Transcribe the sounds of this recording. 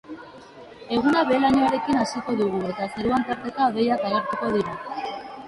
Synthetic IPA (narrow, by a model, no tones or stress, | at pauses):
e̞ɣunaβe̞ːlaɲoaɾe̞kinasiko̞ðuɣ̞ue̞t̪aseɾuant̪aɾt̪e̞t̪aβe̞jakaɣe̞ɾt̪uko̞ðiɾa